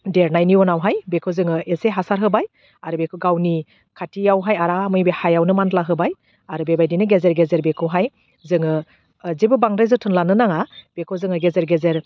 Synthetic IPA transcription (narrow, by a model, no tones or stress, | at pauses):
deɾnajniɔnawɦajbekʰɯzɯŋɯeseɦasaɾɦɯbaj | aɾɯbekʰɯɡawni | kʰatijawɦajaɾamɯjbehajawnɯmantlaɦɯbaj | aɾɯbebajdinɯɡezeɾɡezeɾbekʰɔwɦaj | zɯŋɯ | zebɯbaŋɾajzɯtʰɯnlanɯnaŋab̥ekʰɔzɯŋɯɡezeɾɡezeɾ